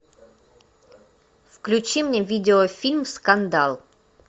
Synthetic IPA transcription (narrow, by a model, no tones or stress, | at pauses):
fklʲʉt͡ɕimnʲevʲidʲɪofʲilʲmfskand̪alˠ